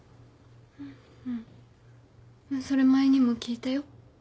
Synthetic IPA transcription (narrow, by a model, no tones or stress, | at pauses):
ɯ̃ | ɯ̃ | maso̞ɾe̞maeɲ̟imo̞kʲiːt̪ajo̞